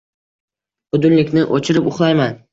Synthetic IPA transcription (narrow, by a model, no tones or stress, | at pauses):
ʊd̪ʊnlɪkʲnɪʔot͡ʃʰɪɾɪpʊχlˠajman